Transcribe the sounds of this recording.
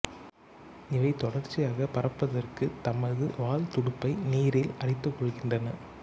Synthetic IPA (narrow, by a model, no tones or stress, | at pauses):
ɪʋɐɪt̪ɔɽɐrt͡ʃːɪjaːɣɐpɐɾɐpːɐðɐrkɯt̪ɐmɐðɯʋaːlt̪ʊɽʊpːɐɪniːɾɪlɐɽɪt̪ːɯkːɔɭɣɪndrɐnɐ